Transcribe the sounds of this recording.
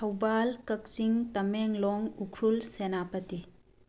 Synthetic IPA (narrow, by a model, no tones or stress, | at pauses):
tʰɐwbalkɐk̚siŋtɐmeŋlɔŋukʰɾulsenapɐti